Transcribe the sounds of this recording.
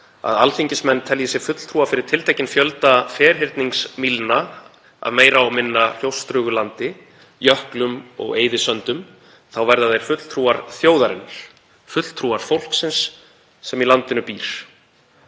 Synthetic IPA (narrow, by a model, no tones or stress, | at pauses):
a̰ðalθiɲcɪsmɛnːt̪ʰɛljɪsjɛɾfʏt̪l̥t̪ʰɾuːafɪɾɪɾ̥t̪ʰɪlt̪ʰejcːɪnfjœlt̪afɛːɾ̥ɦɪɾt̪niŋksmilna | a̰ðmeːjɾaɔɣmɪnːal̥jowst̪ɾʏːɣʏlant̪ɪ | jœhklʏmɔ̰ɣḛːjðɪsœnt̪ʏm | θawvɛɾðaðejɾ̥fʏt̪l̥t̪ʰɾuːaɾθjoːwðaɾɪnɾ̥ | fʏt̪l̥t̪ʰɾuːaɾ̥fowl̥ksɪnsː | ɛmilant̪ɪnʏpiːɾ̥